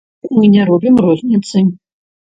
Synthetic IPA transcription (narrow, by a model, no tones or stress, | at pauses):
mɨnʲɛɾɔbʲimrɔzʲnʲit̪sɨ